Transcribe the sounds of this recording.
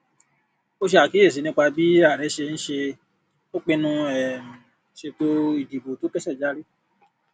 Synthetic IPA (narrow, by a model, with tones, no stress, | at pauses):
o˦ʃe˧a˨ki˨˦e˦˨s̬i˨˦nĩ˦k͡pa˧bi˦a˦˨ɾɛ˨˦ʃe˧ñ̩˦ʃe˧ | o˦k͡pe˧nũ˧ɛ˨mĩ˨ | ʃe˧to˦i˦˨di˨bo˨to˨˦kɛ˦sɛ˦˨d͡ʒa˦ɾi˦